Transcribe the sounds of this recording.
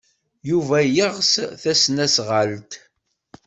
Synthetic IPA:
juvæjəʁsθæsnæsʁəlt̪

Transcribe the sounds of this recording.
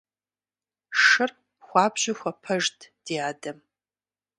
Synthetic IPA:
ʂɨr | χʷɑːbʒɪxʷɐpʰɐʒtʰʼd̥iaːdɐm

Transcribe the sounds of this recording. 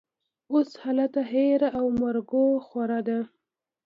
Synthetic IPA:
oshalat̪aɦeɾaʔawmaɾɡoxwaɾɑd̪a

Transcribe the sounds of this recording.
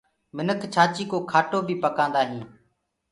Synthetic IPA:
mɪnəkʰt͡ʃʰaːt͡ʃiːkoːkʰaːʈoːbʱiːpəkãːnd̪aːɦĩː

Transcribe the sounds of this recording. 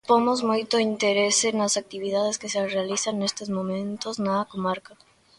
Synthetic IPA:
pomozmojt̪oint̪eɾesenɐsak̚t̪iβiðaðeskesearealiθaŋnest̪ezmõmẽnt̪oznakomaɾka

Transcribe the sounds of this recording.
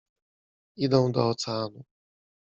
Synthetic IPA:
id̪ɔ̃w̃d̪ɔːt̪sɛanu

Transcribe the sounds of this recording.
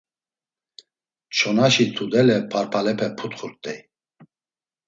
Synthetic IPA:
t͡ʃʰɔnaʃit̪ʰud̪ɛlɛpʰaɾpʰalɛpʰɛpʰut̪χuɾt̪ʼɛ

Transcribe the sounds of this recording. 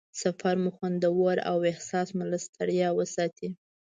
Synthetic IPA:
safaɾmʊxwand̪əwoɾa̰wɪhsɑsmʊlast̪ʰaɽjɑwəsɑt̪ʰi

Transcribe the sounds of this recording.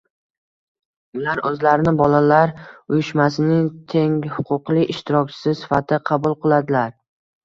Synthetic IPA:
ʊlaɾɵzlaɾɪnɪbɒlalaɾʊjɪʃmasɪnɪŋt̪ʰe̞ŋhʊqʰʊqlˠɪɪʃt̪ʰɪɾɒkʲt͡ʃʰɪ̥sɪsɪ̥fat̪ʰɪqʰɑbʊlˠqɨlˠad̪ɪlaɾ

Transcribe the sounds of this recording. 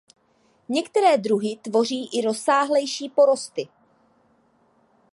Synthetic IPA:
ɲɛkt̪ɛɾɛːd̪ɾuɦɪt̪vo̞r̝iːʔɪɾo̞saːɦlɛjʃiːpo̞ɾo̞st̪ɪ

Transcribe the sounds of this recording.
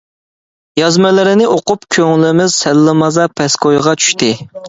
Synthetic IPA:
jɑzmɛlɪɾɪnɪʔoqʊpkʲʰøŋlɪmɪzsɛlːɪmɑzɑpʰɛskʰojʁɑt͡ʃʰy̥ʃt̪ɪ

